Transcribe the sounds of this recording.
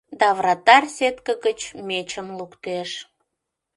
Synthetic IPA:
d̪ɑvrɑt̪ɑrsʲet̪kəɣət͡ɕmet͡ɕəmlukt̪eʃ

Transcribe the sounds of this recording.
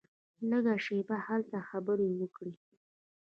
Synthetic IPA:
ləɡaʃebahalt̪axabəɾewəkɽi

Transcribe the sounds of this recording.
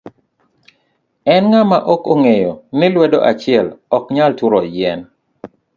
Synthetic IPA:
ɛnŋamaʔokoŋejɔnɪlwɛdo̰ʔat͡ʃɪɛlɔkɲaltuɾɔjɛn

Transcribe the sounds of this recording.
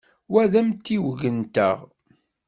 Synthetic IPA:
wæðæmt̪ːiwʝənt̪ə̰ʁ

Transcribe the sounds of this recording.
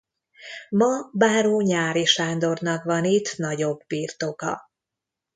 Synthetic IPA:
mɒbaːɾoːɲaːɾiʃaːnd̪o̞rnɒkvɒnit̪nɒɟo̞bːiːrt̪o̞kɒ̰

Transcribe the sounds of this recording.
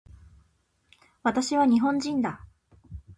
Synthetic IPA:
βat̪aɕiβaɲ̟iɦõ̞ɲd͡ʑĩnd̪a

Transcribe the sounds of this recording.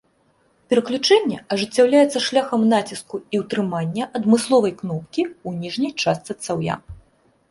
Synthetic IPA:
pʲɛɾɐklʲut͡ʂɛnʲːɛɐʐɨt͡sʲːawlʲajɛt̪sːɐʂlʲaxɐmnat͡sʲiskuiwt̪ɾɨmanʲːɐʔɐd̪mɨslˠɔvɐjknɔp̚kʲiunʲiʐnʲɐjt͡ʂast̪sɨt̪sawja̰

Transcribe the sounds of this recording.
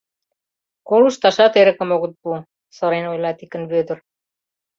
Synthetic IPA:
koluʃt̪ɑʃɑt̪eɾɘ̆kə̆moɣə̆t̪̚bu | sɤ̆ɾenojlˠɑt̪ikə̆nβød̪ə̆r

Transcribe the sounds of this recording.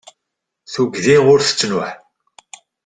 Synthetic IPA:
θuɡðiʁʊɾθə̥t͡sːnʊħ

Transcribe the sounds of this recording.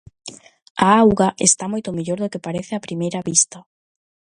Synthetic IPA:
aawɣaʔest̪amojt̪omeʎoɾðokepaɾeθɪapɾimejɾaβist̪ɐ

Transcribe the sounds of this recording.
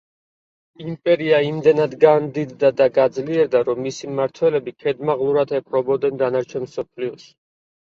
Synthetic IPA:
impʼɛɾiaimd̪ɛnad̪ɡand̪id̪ːad̪aɡad̪zliɛɾd̪aɾɔmːisimaɾt̪ʰwɛlɛbikʰɛd̪maʁlˠuɾat̪ʰɛpʰɾɔbɔd̪ɛnd̪anaɾt͡ʃʰɛnmsɔpʰliɔʃ

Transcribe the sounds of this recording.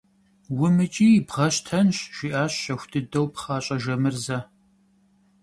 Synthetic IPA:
wʊmɨt͡ʃʼiːbʁɐɕtʰɐnɕʒ̥iːʔaːɕːɐxʷʊtʰɨdɐwpχɑːɕʼɐʒɐmɨrzɐ

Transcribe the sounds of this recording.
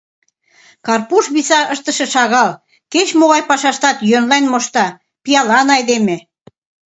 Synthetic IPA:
kɑrpuʃβisɑʔəʃt̪əʃĕʃɑɣɑl | ket͡ɕmoɣɑjpɑʃɑʃt̪ɑt̪jønlɑjnmoʃt̪ɑ | pijɑlɑnɑjd̪eme

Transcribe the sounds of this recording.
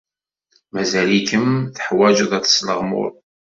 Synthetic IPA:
mæzælikəmθə̥ħwæd͡ʒəðˤæt͡sːə̥sləʁmʊ̰ɾˤ

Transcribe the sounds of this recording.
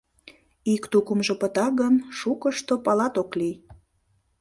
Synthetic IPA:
ikt̪ukəmʒopət̪ɑɣənʃukəʃt̪opɑlɑt̪oklij

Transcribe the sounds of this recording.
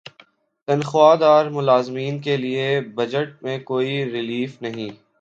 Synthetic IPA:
t̪ɐnxwaːd̪aːɾmʊlaːzmiːnkeliebɐd͡ʒəʈ̚mẽkoːiɾɪliːfnɐɦĩː

